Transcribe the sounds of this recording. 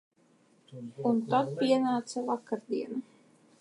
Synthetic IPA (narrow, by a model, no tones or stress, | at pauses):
unt̪at̪̚piɛnaːt̪savakaɾd̪iɛnu